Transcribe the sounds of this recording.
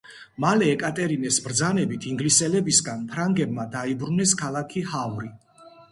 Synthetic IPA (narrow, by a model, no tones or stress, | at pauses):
malɛːkʼat̪ʼɛɾinɛsbɾd̪zanɛbit̪ʰiŋɡlisɛlɛbisɡanpʰɾaŋɡɛbmad̪aibɾunɛskʰalˠakʰihavɾi